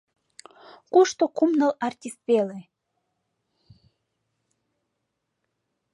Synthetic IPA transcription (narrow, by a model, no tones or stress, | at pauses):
kuʃt̪okumnə̆lɑrt̪ʲist̪βele